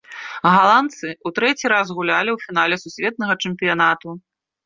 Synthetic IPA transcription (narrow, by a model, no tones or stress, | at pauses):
ɣalˠant̪sɨut̪ɾɛt͡sʲiɾazɣulʲalʲiwfʲinalʲɛsusʲvʲɛt̪̚nɐɣɐt͡ʂɛmpʲijanat̪u